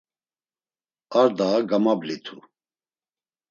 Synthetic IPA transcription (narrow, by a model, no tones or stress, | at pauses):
aɾd̪aɡamablit̪ʰu